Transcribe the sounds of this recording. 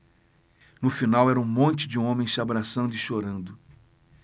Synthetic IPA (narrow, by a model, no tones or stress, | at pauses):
nʊfinawɛɾɐũmõnt͡ʃɪd͡ʒɪũõmẽj̃sɪabɾasɐ̃nd̪ʊɪʃoɾɐ̃nd̪ʊ